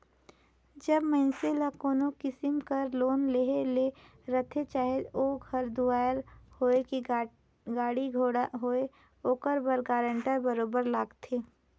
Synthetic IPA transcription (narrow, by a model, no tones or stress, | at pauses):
d͡ʒɐbməɪnselakoːnokɪsɪmkəɾloːnleɦele | ɾət̪ʰet͡ʃaːɦed̪oːɡʱəɾd̪ʊaːɾhoːeki | ɡaːɽiɡʱoːɽaɦoːe | oːkəɾbəɾɡaːɾə̃ɳʈəɾbəɾoːbəɾlaːɡt̪ʰeː